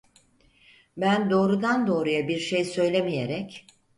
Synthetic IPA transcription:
bænd̪o̞ːɾud̪and̪o̞ːɾujabiɾʃejsø̞jlʲe̞mije̞ɾɛc

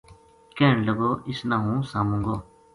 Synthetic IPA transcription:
keːɳləɡoːʔɪsnãːɦũːsaːmũŋɡoː

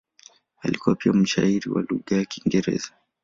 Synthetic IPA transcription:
alikuwapiam̩ʃaiɾiwa̰luɠajakiŋɡɛɾɛ̰za

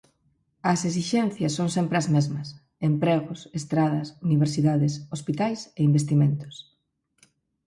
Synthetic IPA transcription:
ɐsesiʃɛnθjɐsːoŋsempɾeɐzmezmɐs | empɾeɣʊsest̪ɾaðɐsuniβ̞eɾsiðaðesospit̪ajseimbest̪imẽnt̪ʊ̥s

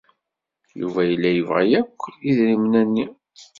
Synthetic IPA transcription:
jṵvæjəlːæjəvʁæjækʷːiðɾimnænːi

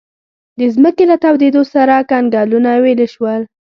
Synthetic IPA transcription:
d̪əzməkelat̪awd̪ed̪osaɾakanɡɑlunaweleʃwəl

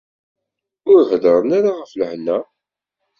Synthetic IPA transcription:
ʊɾhðəɾˤənaɾaʁəfləhnːæ

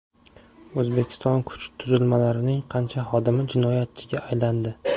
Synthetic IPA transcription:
ɵzbe̞kʲʰɪ̥st̪ɒnkʰʊ̥t͡ʃt̪ʰːʊzɪlmalaɾɪnɪŋqʰɑnt͡ʃʰaχɒd̪ɪmɪd͡ʒɪnɒjat̪̚t͡ʃʰɪɡʲaːjland̪ɪ

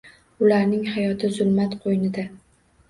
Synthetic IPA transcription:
ʊlaɾnɪŋhajɒt̪ʰɪzʊlˠmat̪qʰojnɪd̪a

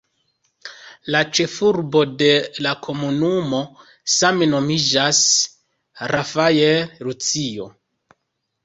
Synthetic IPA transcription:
lat͡ʃe̞fuɾbo̞de̞lakʰo̞munumo̞ | sameno̞mid͡ʒas | ɾʔafajeɾut͡sio̞̰

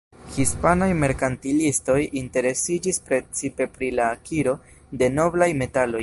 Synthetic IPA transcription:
hispanajme̞ɾkantilisto̞jinte̞ɾe̞sid͡ʒispɾe̞t͡sipe̞pɾilaːkʰiɾo̞ | de̞no̞blajme̞talo̞j

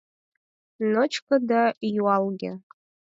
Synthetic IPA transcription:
not͡ʃʰkʰʼɨdajwalɡʲɪ̰

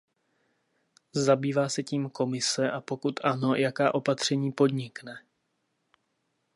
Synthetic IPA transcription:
zabiːvaːsɛciːmko̞mɪsɛʔapo̞kut̪ʰʔano̞jakaːʔo̞pat̪r̝̥ɛɲiːpo̞d̪ɲɪknɛ

